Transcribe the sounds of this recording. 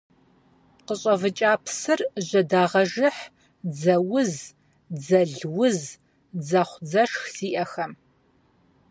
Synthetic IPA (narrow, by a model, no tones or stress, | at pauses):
qəɕʼɐvɨt͡ʃʼaːpʰsɨrʑʷɐdaːʁɐʒɨħ | d͡zɐwʊz | d͡zɐɮwʊz | d͡zɐχʷd͡zɐʂxsiːʔɐxɐm